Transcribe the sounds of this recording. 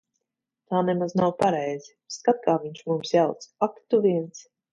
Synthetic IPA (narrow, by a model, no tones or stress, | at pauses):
t̪aːnɛmaznawpaɾɛjziskat̪̚kaːviɲʲt͡ʃmumsjawt̪sakt̪uviɛns